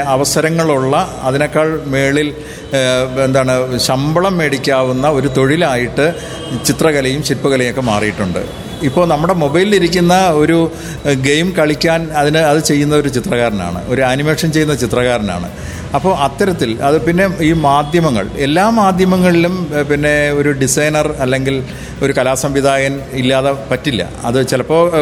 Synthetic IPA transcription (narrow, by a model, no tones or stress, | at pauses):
ɐʋɐsɐɾɐŋːɐɭuɭːɐɐðino̞kːaːɭme̞ːɭil | end̪aːɳɨɕɐmbɐɭɐmːeːɽikʲːaːʋunːɐo̞ɾut̪o̞ɻilaːjiʈːɨ | t͡ɕit̪rɐɣɐlɐjumɕipːɐɣɐlɐjokːe̞ma̰ːrijiʈːuɳɖɨ̰ | ipːo̞ːɭnɐmːuɽe̞mo̞bɐjliliɾikʲːunːɐo̞ɾu | ɡejmkɐɭikʲːaːnɐðinɨɐðɨt͡ɕe̞jːunːɐo̞ɾut͡ɕit̪rɐɣaːɾɐna̰ːɳɨ̰ʔo̞ɾuɐnimeːʂɐnt͡ɕe̞jːunːɐt͡ɕit̪rɐɣaːɾɐna̰ːɳɨ̰ | ɐpːo̞ːʔɐt̪ːɐɾɐt̪ːilɐ̰ðɨpinːe̞iːmaːd̪ʱjɐmɐŋːɐ̰ɭe̞lːaːmaːd̪ʱjɐmɐŋːɐɭilumpinːe̞o̞ɾuɖisɐjnɐrɐlːe̞ŋɡil | oɾukɐlaːsɐmʋid̪ʱaːjɐnilːaːðepɐtːilːɐ̰ɐ̰ðɨt͡ɕilɐpːo̞ː